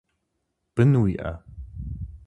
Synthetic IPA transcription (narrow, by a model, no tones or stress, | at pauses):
b̥ənwiʔa̰